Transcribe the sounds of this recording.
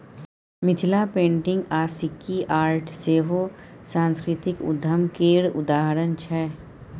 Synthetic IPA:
mɪt̪ʰɪlapẽːɳʈɪ̃ŋɡaːsɪkːiʔaːɾʈʰseːɦosãːnskɾɪt̪ɪkʊ̰d̪ʱːəmkeːɾʊ̰d̪aːɦəɾənt͡ʃʰɛː

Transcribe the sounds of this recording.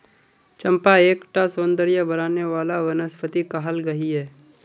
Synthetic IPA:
t͡ʃɐ̃mpaeːkʈasoːnd̪əɾjəbɐɾaːneʋaːlaʋɐnəspʰət̪ikaɦəlɡɐɦiɦɛː

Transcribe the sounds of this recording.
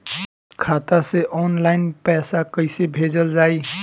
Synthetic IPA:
kʰat̪aseʔɔːnlaɪnpɛːsakəjsebʱed͡ʒəld͡ʒaːi

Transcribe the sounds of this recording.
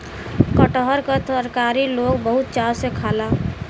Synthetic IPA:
kəʈəɦəɾkət̪əɾkaɾiloɡbəɦut̪̚t͡ʃaɾsekʰaːla

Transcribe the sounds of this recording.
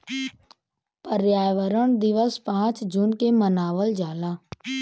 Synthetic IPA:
pəɾjaːʋəɾəɳ̃d̪ɪʋəspãːt͡ʃd͡ʒunkemənaːʋəld͡ʒaːlaː

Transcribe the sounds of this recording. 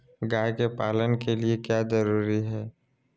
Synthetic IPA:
ɡaːjkepaːlənkeliekjaːzɐɾuːɾiɦɛː

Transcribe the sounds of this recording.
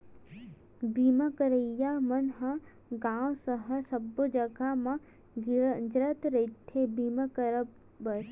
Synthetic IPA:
biːmɐkəɾəjamɐnɦɐ̃ | ɡãːwsəɦɐsɐbːod͡ʒɐɡamã | d͡ʒɾət̪ɾet̪ʰːebiːməkəɾə | bɐɾ

